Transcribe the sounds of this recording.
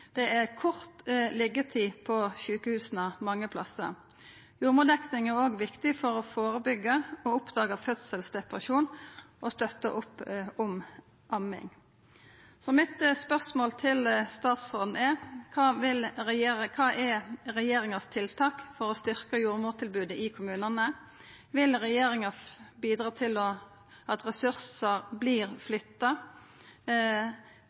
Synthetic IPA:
d̪̥ɛʔɛkʰʊʁt̪lɪɡət̪ʰiːpʰɔʃʉːkəhʉːsnɑmɑŋːəpʰlɑsːə̰ | juːɾmuːd̪ɛknɪŋæʁoːɡʋɪkt̪ɪfɔɾɔfoːɾəbʏɡːəɔʊpd̪ɑːɡəfœt̪səlsd̪ɛpʁəʃuːnʔɔst̪œt̪ːə̰ʔʊpːʊm | ʔɑmɪ̰ŋ | sɔmɪt̪spœʁsmoːlt̪ʰɪlst̪ɑːt̪sʁoːd̪n̩ɛkʰɑːʋɪlɾɛjekʰɑːʔɛɾɛjeːɾɪŋɑst̪ʰɪlt̪ʰɑːkfɔɾɔst̪ʏʁkəjuːʁmuːʁt̪ʰɪlbʉːd̪əʔɪkʰʊmʉːnɑnə | ʋɪlʁɛjeːɾɪŋɑbiːd̪ʁɑːt̪ʰɪlɔ | ɑt̪ʁɛsʉʁsəʁbliːʁflʏt̪ːɑ

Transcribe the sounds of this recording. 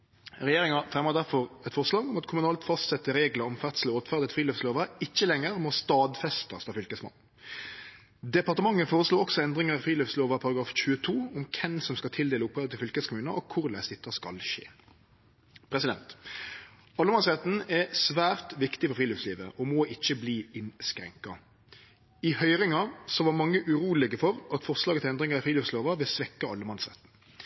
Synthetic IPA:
ʁɛjeːʁɪŋɑfʁɛməʁd̪æʁfɔʁɛt̪fɔʁslɑːɡʊmɑt̪kʰʊmʉnɑːlt̪fɑst̪sɛt̪ːəɾeːɡləɾɔmfæʁt̪səlɔoːt̪fæʁd̪ət̪fʁiːløːftsloːʋɑɪçːəlɛŋːəʁmɔst̪ɑːd̪fɛst̪ɑst̪ɑːfʏlkəsmɑ̰nː | d̪ɛpɑʁt̪əmɑŋːəfoːʁəsluːɔksɔɛnd̪ʁɪŋəʁɑfʁiːløftsloːʋɑpʰɑɾʁɑɡɾɑːfçʉət̪ʰuːɔmkʰɛnsɔmskɑlt̪ʰɪld̪eːləʊpːəd̪ət̪ʰɪlfʏlkəskʰʊmʉːnəʔɔkʰʊʁlæ̰st̪ɪt̪ːɑskɑ̰lɕḛː | pʰɾɛsɪd̪ɛnt̪ | ɑlːəmɑnsʁɛt̪n̩ɛsʋæːʁt̪ʋɪkt̪ɪfɔɾfɾiːløːfsliːʋə̰ʔɔmɔːʔɪçːəbliːɪnskɾɛ̰ŋkɑ | ɪhœʏʁɪŋɑsɔʋɑːmɑŋːəʔʉʁuːlɪɡəfɔʁɑt̪fɔʁslɑːɡət̪ʰɪlɛnd̪ʁɪŋəʁɪfʁiːløfsloːʋɑʋɪlsʋɛkːɑɑlːəmɑnsʁɛ̰t̪n̩

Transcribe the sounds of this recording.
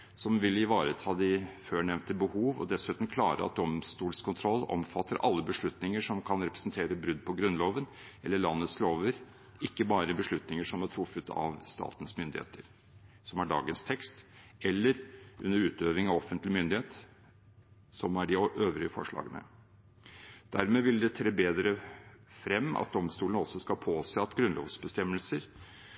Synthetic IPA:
sɔmʋɪlːɪʋɑːɾət̪ʰɑːd̪ɪføːɳɛʋnt̪əbəhuːʋɔ̰d̪ɛsʉːt̪n̩kʰlɑːɾə̰ɑ̰t̪̚d̪ɔmst̪uːlskʰʊnt̪ʰɾɔlːɔ̰mfɑt̪ʰːəɾʔɑ̰lːəbəʂɭʉt̪nɪŋəʂɔmkʰɑnɾɛpɾəsnt̪ʰeːɾəbɾʉd̪pʰɔɡɾʉnloːʋənʔɛlːəɭɑnːət̪sloːʋəɾ | ɪkːəbɑːɾəbəʂɭʉt̪nɪŋəʂɔmæʈʰɾʊfːət̪ɑ̰ʋst̪ɑ̰ːt̪ən̩smʏnd̪ɪhḛːt̪ʰəɾ | sɔmæɖɑ̰ːɡənst̪ʰɛkst̪ɛlːəɾʔʉ̰nːəɾʉːt̪øːʋɪŋɑʋɔfənt̪lɪmʏnd̪ɪheːt̪ | sɔmæɖɪʔøːʋɾɪəfɔ̰ʂɭɑ̰ːɡənə̰ | d̪̥æɾmeːʋɪld̪ɛt̪ʰɾeːbeːd̪ɾəfɾɛmːɑ̰t̪̚d̪ɔmst̪uːlnəɔsːɔskɑpʰoːseːɑt̪ɡɾʉnlo̰ːʋsbəst̪ɛmːəlsəɾ

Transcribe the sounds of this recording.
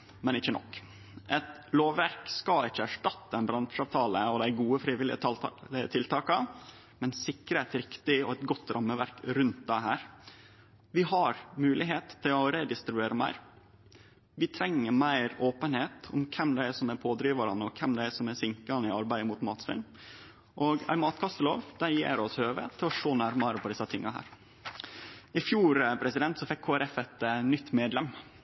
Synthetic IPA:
mɛnɪçːənɔ̰kː | ʔɛt̪ | loːʋːæɾkskɑlɪçːəæʂʈɑt̪ːəɛnbɾɑnʂɑːʋt̪ʰɑːləɔd̪æɪɡuːəfɾiːʋɪlɪ̰ət̪ʰɪlt̪ʰɑːkɑ | mɛnsɪkːɾəæɪt̪ɾɪkt̪ɪɔɛt̪ɡɔt̪ːɾʔɑmːəʋæɾkɾʉnt̪̚d̪æɪɦæːɾ | ʋɪɦɑɾmʉːlɪɦeːt̪t̪ʰːɪlɔɾed̪ɪst̪ɾʉbeːɾəmæ̰ɪɾ | ʋɪt̪ʰɾɛŋːəɾmæɪɾoːpənheːt̪ʰʊ̰mkʰɛmd̪ɛæsɔmæɾpʰoːd̪ɾiːʋɑɾɑnəɔkʰɛmd̪ɛæsɔmæɾsɪŋkɑnəɪɑɾbæɪd̪əmʊt̪mɑːt̪sʋɪ̰n | ʔɔːɡæ̰ɪmɑːt̪kʰɑst̪əlo̰ːʋd̪̥æɪjḛːɾɔshøːʋə̰t̪ʰɪlɔʂoːnæɾmɑɾəpʰɔd̪ɪsɑt̪ʰɪŋːɑɦæ̰ːɾ | ɪfjuːɾəpʰɾɛsɪd̪ɛnt̪sɔfɛkʰːoːæɾɛfɛt̪nʏt̪ːmeːd̪lɛm

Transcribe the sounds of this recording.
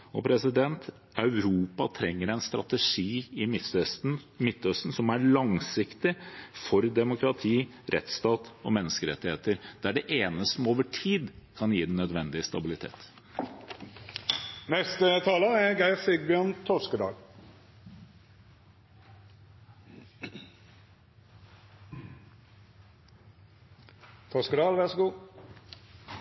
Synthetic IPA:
ɔpʰɾɛsɪd̪ɛnt̪ | ɑʉɾuːpɑt̪ʰɾɛŋːəɾæɪnst̪ɾɑ̰t̪əʂiːɪ | mɪt̪ːœst̪n̩sɔmæɭɑŋsɪkt̪ɪfɔɾd̪ɛmʊkɾɑt̪ʰiː | ɾʔɛ̰t̪st̪ɑːt̪ɔ̰mɛnːəskəɾɛ̰t̪ːɪheːt̪əɾd̪̥æɖɛʔeːnəst̪əmoːʋəʈʰiːd̪kʰɑnjiːd̪nœd̪ʋɛnd̪ɪəst̪ɑbɪlɪt̪ʰḛːt̪ | nɛst̪ət̪ʰɑːləæɡæɪsɪɡ̚bjøːʁnt̪ʰɔskəd̪ɑ̰ːl | t̪ʰɔskəd̪ɑːlʋæʁsɡuː

